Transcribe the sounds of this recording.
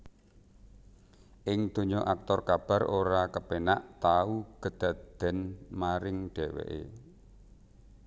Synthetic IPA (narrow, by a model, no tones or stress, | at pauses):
ʔɪŋd̪̥o̤ɲoʔak̚t̪ɔrkab̥ä̤rʔoɾakəpenaʔt̪auɡ̥ə̤d̪̥a̤d̪̥ɛ̤nmaɾɪŋɖ̥ɛwḛʔḛ